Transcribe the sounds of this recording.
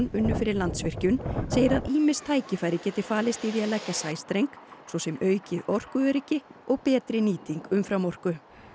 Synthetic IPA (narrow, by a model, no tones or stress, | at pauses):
nʏnːʏfɪːɾɪɾlant̪svɪr̥cʏnseːjɪɾaðiːmɪst̪ʰaːjcɪfajɾɪcɛːt̪ɪfaːlɪst̪iːðiaðlɛcːasaːjst̪ɾejŋksvɔsɛmœːɥcɪʔɔr̥kʏɛɾɪcɪʔɔɣpɛːt̪ɾɪniːt̪iŋkʏmfɾawmɔr̥kʏ